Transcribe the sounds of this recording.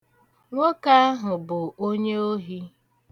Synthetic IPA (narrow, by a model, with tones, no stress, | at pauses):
ŋʷo˦ka˦a˦ɦʊ˨bʊ˨o˦ɲe˦o˦ɦi˦